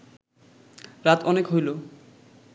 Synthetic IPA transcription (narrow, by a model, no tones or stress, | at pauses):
ɾat̪ɔnekɦojlo